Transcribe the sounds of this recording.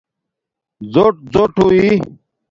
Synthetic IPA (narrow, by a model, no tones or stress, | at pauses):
zoʈ̚d͡zoʈʰui